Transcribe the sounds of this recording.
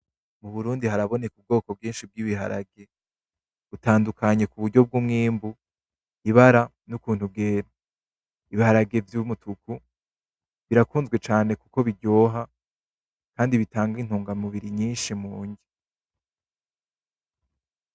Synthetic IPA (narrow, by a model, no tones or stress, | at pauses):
muβuɾuːndihaɾaβo̞ne̞kub̚ɡo̞ːko̞b̚ɡiːnʃib̚ɡiβiɦa̰ɾa̰ɡe̞ | βutaːndukʰaɲe̞kuβuɾɟo̞b̚ɡumŋiːmbu | iβaɾa | nukuːn̥hub̚ɡe̞ːɾo | iβihaɾaɡe̞vjumutuku | βiɾakuːnzɡwe̞t͡ʃaːne̞kuko̞βiɾɟo̞ːɦa | kaːndiβitaːŋɡin̥uːŋɡamuβiɾiɲiːnʃimuːɲɟi